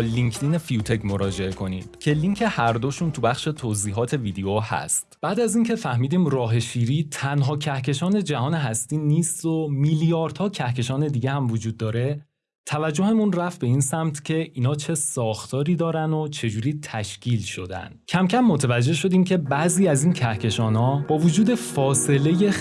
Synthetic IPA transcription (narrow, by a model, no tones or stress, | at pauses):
liŋkʰd̪iːne̞fijut̪ʰe̞cmo̞ɾɒːd͡ʒe̞e̞kʰo̞nḭːd̥̪cʰe̞liŋcʰe̞hæɾd̪oʃunt̪ʰubæχʃe̞t̪ʰoziːɦɒːt̪ʰe̞vid̪ejohæ̰st̪b̥æːd̪æziːncʰe̞fæhmiːd̪iːmrɒːɦe̞ʃiːɾiːt̪ʰænɦɒːcʰæhcʰe̞ʃɒːne̞d͡ʒæɦɒːne̞ɦæst̪iːniːst̪omiːljɒːɾd̪̥hɒːcʰæhke̞ʃɒːne̞d̪iːɟehæmvod͡ʒuːd̪ːɒːɾe̞ | t̪ʰævæd͡ʒːo̞he̞munræfbe̞iːnsæmt̪ʰcʰe̞ʔiːnɒːt͡ʃʰesɒːxt̪ʰɒːɾiːd̪ɒːɾænd̪o̞t͡ʃʰe̞d͡ʒuːɾiːt̪ʰæʃcʰiːlʃo̞d̪æ̰nd̪̥cʰæmcʰæmːo̞t̪ʰævæd͡ʒːe̞ʃo̞d̪iːmcʰe̞bæʔziːæzincʰæhcʰe̞ʃɒːnɒːbɒːvod͡ʒuːd̪e̞fɒːse̞le̞je̞